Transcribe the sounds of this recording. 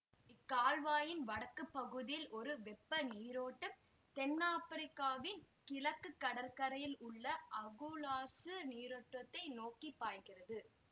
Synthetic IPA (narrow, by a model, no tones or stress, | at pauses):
ɪkːaːlʋaːjɪnʋɐɽɐkːɯpːɐɣɯðɪjɪlʔɔɾɯʋɛpːɐniːɾoːʈːɐm | t̪ɛnːaːpɐɾɪkːaːʋɪn | kɪlɐkːɯkːɐɽɐɾkɐɾɐjɪlʊɭːɐʔɐɣɯlaːsɯniːɾoːʈːʋɐt̪ːɐɪnoːkipːaːjɣɪrɐðɯ